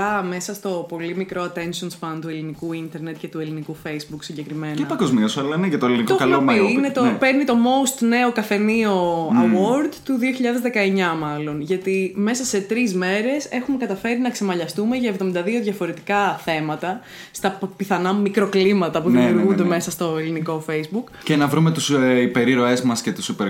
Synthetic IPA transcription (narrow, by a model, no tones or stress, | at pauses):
ɐme̞sɐst̪o̞po̞limikɾʔoɐt̪e̞nso̞nspɐnt̪ue̞linikuint̪e̞ɾne̞t̪̚ce̞t̪ue̞linikufe̞jzbuksiɲɟe̞kɾime̞nepɐɡozmiɐsɐlɐneʝɐt̪oelinioɐloinet̪ope̞ɾnit̪o̞mo̞ust̪ne̞o̞kɐθe̞nio̞ɐwoɾd̪t̪uðioçiʎɐðezðe̞kɐe̞ɲɐmɐlo̞nʝɐt̪ime̞sɐse̞t̪ɾizme̞ɾe̞se̞xume̞kɐt̪ɐfe̞ɾinɐkse̞mɐʎɐst̪ume̞ʝɐevðo̞mind̪ɐðio̞ðʝɐfo̞ɾe̞t̪i̥kɐθe̞mɐt̪ɐ | st̪ɐpiθɐnɐumikɾo̞klimɐt̪ɐpuðiiuɾɣund̪eme̞sɐst̪o̞eliniko̞fejzbuk | cenɐvɾume̞t̪usipe̞ɾiɾo̞e̞zmɐscet̪u̥supeɾ